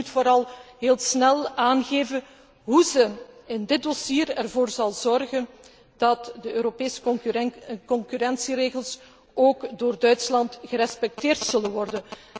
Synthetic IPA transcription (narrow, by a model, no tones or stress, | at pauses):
utfoːɾɑlˠɦeːlˠsnɛlˠaːnɣeːvən | ɦuzəɪndɪt̚dosiːəɾɛrvoːrzɑlˠzɔrɣən | d̥ɑtdəøːɾopeːsə̥ | kɔŋkyɾɛnsiɾeːɣəlˠs | oːkdoːrdœɥtslɑntɣəɾɛspɛk̚teːrtsɵlənʋɔrdən